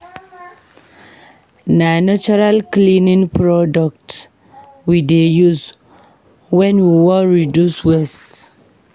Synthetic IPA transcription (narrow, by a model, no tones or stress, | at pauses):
nanat͡ʃuɹalklinĩŋpɹɔdɔk̚t | widejuz | wɛ̃nwiwɔlɹidjuswɛst